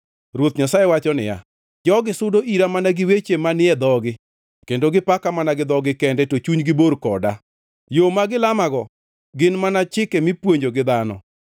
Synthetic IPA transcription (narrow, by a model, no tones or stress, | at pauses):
rwot̪ɲasajewat͡ʃɔnɪ̰ja̰ | d͡ʒɔɡɪsʊdoʔiɾamanaɡɪwet͡ʃemanɪɛd̪ɔɡɪ | kendoɡɪpakamanaɡɪd̪ɔɡɪkɛndɛtot͡ʃuɲɡɪborkɔda | jomaɡɪlamaɡɔ | ɡɪnmanat͡ʃɪkɛmɪpwoɲd͡ʒoɡɪd̪anɔ̰